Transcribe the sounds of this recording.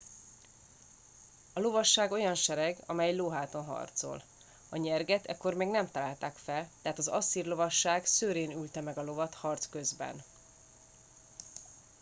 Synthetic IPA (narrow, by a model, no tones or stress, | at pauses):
ɒlo̞vɒʃːaːɡo̞jɒnʃɛɾɛɡɒ̰mɛjloːɦaːt̪onɦɒ̰rt̪so̰l | ɒɲɛrɡɛt̪ɛ̰kːo̞rmeːɡnɛmt̪ɒlaːlt̪aːkfɛlt̪ɛɦaːt̪ɒzɒsːirlo̞vɒʃːaːɡsøːɾeːnylt̪ɛmɛɡɒlo̞vɒt̪hɒrt̪skø̞zbɛ̰n